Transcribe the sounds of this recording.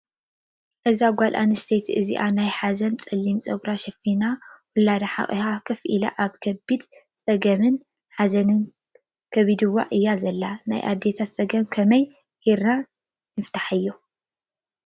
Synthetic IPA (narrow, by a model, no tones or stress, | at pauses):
ʔɨzaɡʷalʔa̰nɨst̪ʰet̪ʰɨzḭʔanajħazɐnt͡sʼɐlːimt͡sʼɐɡɾaʃɐfinawʊlad̪aħa̰χʼihakʰɐfʔila̰ʔaβkʰɐbid̪ | t͡sʼɐɡɐmɨn | ħazɐnɨn | kʰɐβid̪ɨwːa̰ʔɨjːazɐlːana̰jʔa̰d̪ːet̪ʰat͡sʼɐɡɐmkʰɐmɐj | heɾna | nɨft̪ʰḁħɨjːu